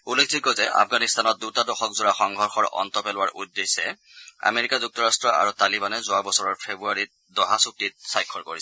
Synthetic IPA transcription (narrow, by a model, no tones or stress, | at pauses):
ulːekʰzikɔzɛʔa̰pʰɡanist̪anɔt̚dutadɔxɔkzʊɹaxɔŋɡʱɔɹxɔɹʔɔ̰ntɔpɛlʊwaɹʔudːesɛ | a̰meɹikazuk̚tɔɹastɹɔʔa̰ɹutalibanɛzʊabɔsɔɹɔɹpʰebuaɹit̚dɔɦasuk̚tit̚sajkʰːɔɹkoɹisɛ